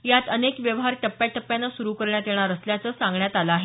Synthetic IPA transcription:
jat̪ənekʋjəʋɦaɾʈəpːjaʈəpːjanːasuɾuːkəɾɳjat̪eɽ̃aɾəsljat͡səsãŋɡɳjat̪alaːɦe

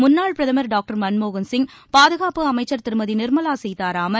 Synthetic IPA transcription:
mʊnːaːɭpɾɐðɐmɐɾɖaːk̚ʈɐɾmɐnmoːɣɐnsɪŋ | paːðɯɣaːpɯɐmɐɪt͡ʃːɐɾt̪ɪɾɯmɐðinɪɾmɐlaːsɛjt̪aːɾaːmɐ

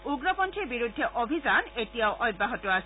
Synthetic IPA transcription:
uɡɹɔpɔntʰiɹbiɹudʱːɛʔobʱizanetijaʊʔɔjbaɦɔtɔas

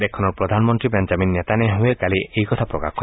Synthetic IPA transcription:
dekʰːɔnɔɹpɹɔd̪ʱanmɔnt̪ɹipend͡ʒaminːet̪aneɦuekaliʔejkɔt̪ʰapɹɔka̰kkʰɔ

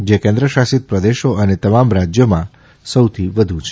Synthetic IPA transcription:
d͡ʒekɛ̃nd̪ɾəʃasit̪̚pɾəd̪eʃoʔənet̪əmamɾad͡ʒjomã | səwt̪ʰiʋəd̪ʱut͡ʃʰe

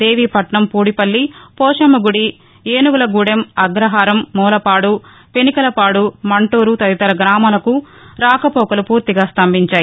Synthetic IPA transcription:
d̪e̞ːʋiːpɐʈɳɐmpuːɽipɐlːipɔːʂɐmɐɡuɽi | eːnuʋɐlɐɡuːɽemɐɡɾɐɦaːɾɐmːɔːlɐpaːɽu | penikɐlɐpaːɽumɐɳʈoːɾut̪ɐd̪it̪ɐɾɐɡɾaːmaːlɐku | ɾaːkɐpɔːkɐlupuːɾt̪iɡaːst̪ɐmbʱiɲt͡ʃaːji

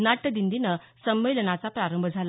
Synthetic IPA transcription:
naʈːəd̪ind̪inə | səmːejlənat͡sapɾaɾəmbʱəd͡zʱal

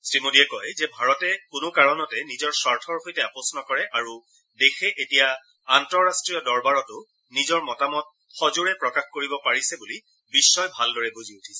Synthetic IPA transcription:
sɹimudiɛkɔjzɛbʱaɹɔtɛkʊnʊkaɹɔnɔtɛnizɔɹsaɹtʰɔɹhojtɛapɔsnɔkɔɹɛʔaɹu | dexɛʔetijaː | ntɔɹastɹijɔdɔɹbaɹɔtʊ | nizɔɹmɔtamɔt̚ | xɔzuɹɛpɹɔkaxkoɹibɔpaɹisɛbuli | bisːɔjbʱaldɔɹɛbuziutʰi̥sɛ

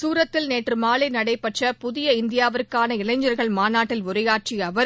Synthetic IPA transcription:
suːɾɐt̪ːɪlneːʈrɯmaːlɐɪnɐɽɐɪpɐʈrɐpʊðɪjɐɪnd̪ɪjaːʋɐɾkːaːnɐɪlɐɪɲd͡ʒɐɾɣɐɭmaːnaːʈːɪlʊɾɐjaːʈ̚t͡ʃiɐʋɐɾ

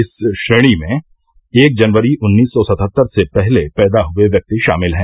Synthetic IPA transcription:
ɪsʃɾeːɽ̃imẽ | eːk̚d͡ʒɐnʋəɾiʔʊnːiːsːɔsɐt̪ʰət̪ːəɾsepɛɦlepɛːd̪aɦʊeʋjɐk̚t̪iʃa̰ːmɪlɦɛ̃ː

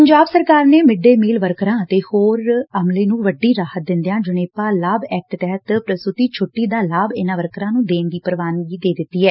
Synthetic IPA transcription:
pəɲd͡ʒaːbsəɾkaːɾneːmɪɖːeːmiːlʋəɾkɾãːət̪eːhoːɾəmleːnũːʋəɖːiːɾaːhət̪̚d̪ɪ̃nd̪ejãːd͡ʒʊneːpaːlaːbɛːk̚ʈt̪ɛːɦət̪pɾəst̪ʊt̪iːt͡ʃʰʊʈːiːd̪aːlaːbɪnãːʋəɾkɾãːnũːd̪eːnd̪iːpəɾʋaːnʋiːd̪eːd̪ɪt̪ːiːɦɛː

